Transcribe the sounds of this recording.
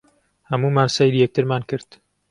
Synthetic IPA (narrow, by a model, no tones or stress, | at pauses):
hɐmuːmaːnsɛjliːjɛk̚t̪ɨɾmaːnkɨɾt̪